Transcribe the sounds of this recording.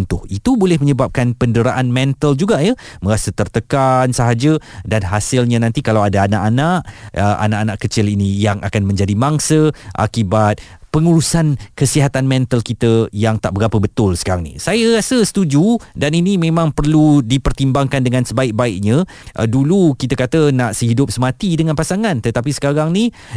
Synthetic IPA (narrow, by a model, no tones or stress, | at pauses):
nt̪ʊhit̪ubolɛhməɲəbap̚kanpəndəɾaʔanmɛnt̪əld͡ʒuɡajə | mə̃ɾasət̪ərt̪əkansəɦad͡ʒədanɦasɪlɲãnãnt̪ikalawadaːnaʔanaʔəʔa̰naʔanaʔkət͡ʃɪlinijaŋʔa̰kanmə̃ɲd͡ʒadimaŋsəʔa̰kibat̪̚pəŋuɾusankəsiɦat̪anmɛnt̪əlkit̪əjaŋt̪aʔbəɾapəbət̪ʊlsə̥kaɾaŋnḭsajəɾasəsə̥t̪ud͡ʒudaninimẽmãŋpərludipərt̪imbaŋkandəŋãnsəbaɪk̚baɪk̚ɲã | ʔdulukit̪əkat̪ənaʔsəhidʊp̚səmãt̪idəŋãnpasaŋãnt̪ət̪apisə̥kaɾaŋni